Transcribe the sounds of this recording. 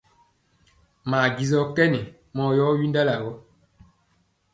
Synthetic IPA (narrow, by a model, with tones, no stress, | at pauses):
maː˨ɡi˨zɔ˦tɛ˦nɛ˨ | mɔ˨˦jɔ˦ɥi˦nda˦la˨wɔ˦